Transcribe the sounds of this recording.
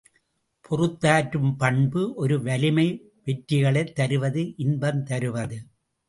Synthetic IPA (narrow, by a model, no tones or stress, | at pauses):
pʰɔrɯt̪ːaːʈɾɯmpɐɳbɯʔɔɾɯʋɐlɪmɐɪ | ʋɛʈɾɪɣɐɭɐɪt̪ːɐɾɯʋɐðɯʔɪnbɐmt̪ɐɾɯʋɐðɯ